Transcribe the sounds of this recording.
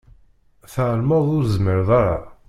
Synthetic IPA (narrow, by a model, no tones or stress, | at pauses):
θʕəlməðˤʊɾzməɾðˤɑɾˤɑ̰